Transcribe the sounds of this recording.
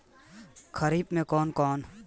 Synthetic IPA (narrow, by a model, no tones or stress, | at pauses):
kʰəɾiːbmẽːkɔːnkɔːn